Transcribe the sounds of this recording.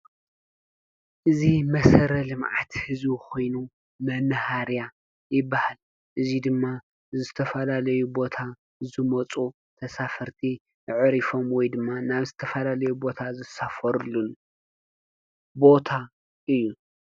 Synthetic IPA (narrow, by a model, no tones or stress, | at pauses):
ʔɨzimɐsɐɾɐlɨmʕa̰t̪hɨzukʰo̞jnu | mɐnhaɾja | jɪbːahal | ʔɨzid̪ɨmːa | zɨt̪ʰɐfɐlalɐjubo̞t̪ʰa | zɨmɐt͡sʼu | t̪ʰɐsafɐɾt̪ʰi | nɨʕɨɾifo̞mwɔjd̪ɨmːanaβzɨt̪ʰɐfɐlalɐjubo̞t̪ʰazɨsafɐɾlun | bo̞t̪ʰa | ʔɨjːu